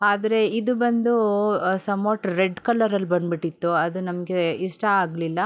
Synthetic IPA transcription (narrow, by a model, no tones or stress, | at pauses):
aːd̪ɐɾe̞id̪ubɐnd̪usɐmoːʈɾeɖkɐlːɐɾɐlbɐnbiʈːit̪ːuɐd̪unɐmɐɡe̞iʂʈɐaːɡlilːɐ